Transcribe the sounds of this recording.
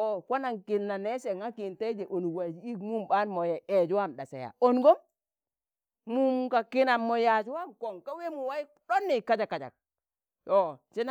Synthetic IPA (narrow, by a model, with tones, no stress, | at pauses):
ɔ˨kʷa˦na˨ŋki˨nːa˨nɛ˦se˨ŋa˦ki˨nte˦d͡ʒe˨ʔo˨nu˨wa˨d͡ʒi˦kmu˦mba˦nmɔ˨je˨e˨d͡ʒwa˦˨mɗa˨sa̰˨ja̰˨o˨nɡo˦m | mu˦mka˨kɪ˦na˨mːɔ˨ja˨d͡ʒwa˦mko˨ŋka˦we˦mu˨wa˦i˦ | ɗɔ˦nːi˨ka˦d͡ʒa˨kːa˨d͡ʒa̰˨k̚ | jɔ˨t͡ʃi˦n˦